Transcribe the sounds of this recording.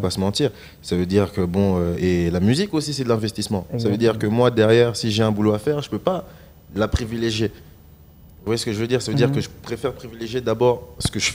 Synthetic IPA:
pasəmɑ̃t̪iːʁ | savød̪iʁkəbɔ̃øelamyzikosisɛd̪əlɛ̃vɛst̪ismɑ̃savød̪iʁkəmwad̪ɛʁjɛʁsiʒeɛ̃buloafɛʁʒəpøpa | lapχivileʒje | vwajɛsə̥kəʒəvød̪iːʁsavød̪iʁkəʒəpχefɛʁpχivileʒjed̪abɔʁsə̥kəʒə

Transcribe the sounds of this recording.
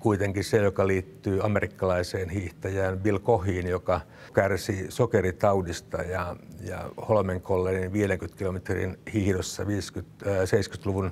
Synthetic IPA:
kuit̪eŋkisejokɑliːt̪ːyːɑmerikːɑlɑiseːnhiht̪ɑjæːnbilkohiːnjokɑ | kærsisokerit̪ɑudist̪ɑjɑjɑ̰holmeŋkolːeniʋiːleŋkyt̪kilomet̪rḭnhihdosːɑ̰ʋiːskyt̪ːseiskyt̪luʋun

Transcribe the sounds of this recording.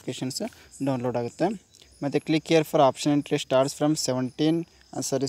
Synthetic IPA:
keːʃɐns | ɖɐw̃nloːɖaːɡut̪ːe | mɐt̪ːeklikːijɐɾfʰɔːɾaːpʃɐnĩɳʈɾesʈaːɾʈsfɾɐmseʋeɳʈiːn | ɐ̰sɐɾi

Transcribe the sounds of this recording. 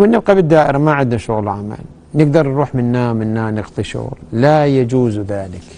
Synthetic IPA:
wɪnːɪb̚qabɪd̪ːaːʔɪɾamaʕɪd̪naʃʊɣlʕama̰l | nɪɡd̪ɑɾˤnɾuːħmɪnːaːmɪnːaːnɪqt̪ˤɪʃṵːɾˤlajad͡ʒuːzðaːlɪk

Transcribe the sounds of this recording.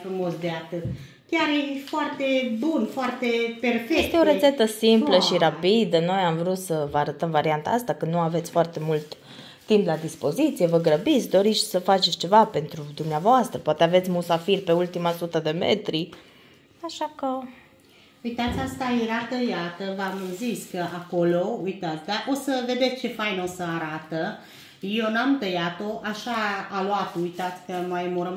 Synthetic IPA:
fɾumo̞sd̪eat̪ɨt̪ | kʲaɾjefoart̪e̞bunfoart̪eperfeest̪eo̞ɾeset̪əsimpləʃiɾapid̪əno̞jamvɾut̪səvəaɾət̪əmvaɾiant̪a̰ast̪akɨnd̪nuave̞t̪sʲfoart̪e̞mult̪ː | implad̪ispo̞zit̪sije̞vəɡɾəbit̪sʲd̪o̞ɾit̪sʲsəfat͡ʃetsʲt͡ʃe̞vape̞nt̪ɾud̪umneavoast̪ɾəpoat̪eavet̪sʲmusafirpe̞ult̪imasut̪əd̪e̞mḛt̪ɾi | aʃakə | ujt̪at̪sʲast̪ajeɾat̪əjat̪əvamɨnziskəʔako̞lo̞ujt̪at̪sʲd̪aʔosəve̞d̪e̞t̪sʲt͡ʃe̞fajnosəaɾat̪ə | jewnamt̪əjat̪o̞ʔaʃaːlwat̪ujt̪at̪sʲkəmajmoɾəm

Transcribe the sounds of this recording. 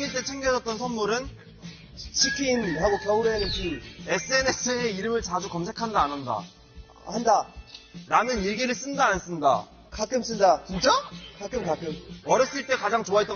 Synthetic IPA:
ŋiɭt͈e̞t͡ɕʰe̞ŋɡjʌd͡ʑʌt̚t͈ʌnsʰʌnmuɾɯn | t͡ɕʰikʰinhaɡokʌuɾenɯnt͡ɕie̞s͈ʰɯe̞ne̞s͈ʰɯeiɾɯmɯɭt͡ɕad͡ʑukʌmsʰe̞kʰandaːnʌnda̰ | handaɾamjʌniɭɡiɾɯɭs͈ɯndaːns͈ɯnda̰ | kak͈ɯms͈ɯndat͡ɕint͡ɕ͈akak͈ɯmkak͈ɯmʌɾjʌs͈ɯiɭt͈e̞kad͡ʑaŋt͡ɕoaɦit͈ʌ

